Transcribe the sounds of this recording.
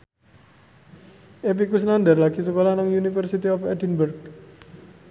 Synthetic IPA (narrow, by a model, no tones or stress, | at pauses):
ʔep̬ikus̬nand̪ərlaɡ̥isəkolanaŋjunifərsit̪iɔfɛdinbərk̚